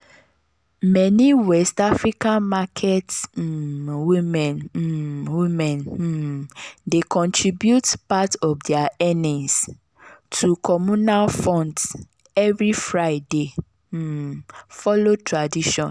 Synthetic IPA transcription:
mɛnĩwɛstafɹikãnmakʰet | wimɛ̃n | wimɛ̃n | dekʰɔ̃ntʰɹibjutpatɔfdɛaɛnĩs | tʰukʰɔmũnalfɔ̃nd | ɛvɹifɹaɪde | fɔlotɹadiʃɔ̃n

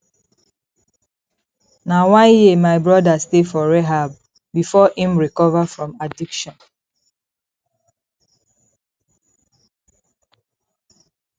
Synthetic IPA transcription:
nawãnjimaɪbɹɔdastefɔɹɛɦab | bifɔĩmɹikɔvafɹɔ̃madikʃɔ̃n

